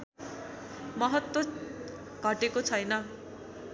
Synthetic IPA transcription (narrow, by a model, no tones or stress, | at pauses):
mʌɦʌt̪wo | ɡ̥ʱʌʈekot͡sʰʌjnʌ